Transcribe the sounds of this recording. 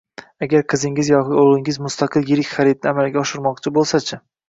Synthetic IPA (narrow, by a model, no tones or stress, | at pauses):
aɡʲaɾqʰɨzɪŋʲɪzjɒkʲɪolˠɪŋɪzmʊst̪aqʰɨlˠjɪɾɪkʲχaɾɪd̪̚nɪamalɡʲaɒʃɪɾmɒq̚t͡ʃʰɪbolˠsat͡ʃʰɪ